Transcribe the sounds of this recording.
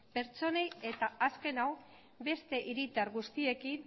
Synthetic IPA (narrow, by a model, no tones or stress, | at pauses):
pe̞ɾt͡so̞neje̞t̪aaske̞naw | be̞st̪e̞ʔiɾit̪earɣust̪ie̞kin